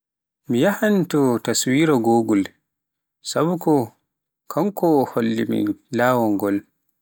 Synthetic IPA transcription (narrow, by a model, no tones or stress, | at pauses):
mijahantɔtaswiːɾaɡoːɡul | sabukɔ | kʰamkɔholːḭmḭlaːwɔŋɡɔl